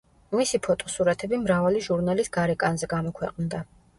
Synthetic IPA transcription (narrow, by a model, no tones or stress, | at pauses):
misipʰɔt̪ʼɔ̥suɾat̪ʰɛbimɾavaliʒuɾnalisɡaɾɛkʼanzɛɡamɔkʰwɛqʼnd̪a